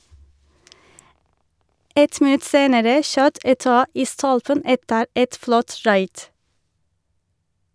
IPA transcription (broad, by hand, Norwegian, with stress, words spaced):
ˈɛt mɪˈnʉt ˈseːnəɾə ˈʃøːt ɛˈtɑː ˈiː ˈstɔlpən ˈɛtəɾ ˈʔɛt ˈflɔt ˈɹɑɪd